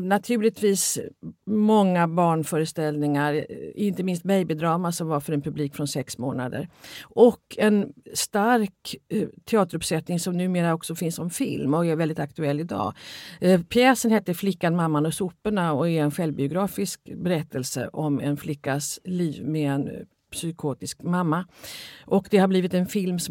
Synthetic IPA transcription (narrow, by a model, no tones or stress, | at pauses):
nat̪ʰʉ̟ːlɪt̪ʰviːs | mɔŋːabɑːɳfœːɾəst̪ɛlnɪŋaɾɪnt̪əmɪnst̪̚bɛjbɪd̪ɾɑːmasɔmvaɾfœɾɛnpʰɵbliːkfɾɔnsɛksmo̰ːna̰d̪ə̰ɾʔɔkːʰɛnst̪aɾkt̪ʰɛɑːt̪əɾɵpsɛt̪nɪŋsɔmnʉ̟ːmeːɾaɔksɔfɪnsɔmfɪ̰lmɔɛɾvɛld̪ɪt̪akt̪ɵɛlːɪd̪ɑ̰ː | pʰjɛːsənheːt̪ːəɾflɪkːanmamːanɔsʊpːəɳaɔɛɾɛnɧɛlvbɪʊɡɾɑːfɪskbɛɾɛt̪ʰːəlsə̰ʔɔmɛnflɪkːasliːvmeɛn | psʏkʰoːt̪ɪskmamːaʔɔkd̪ɛhabliːvɪt̪ɛnfɪlmsɔ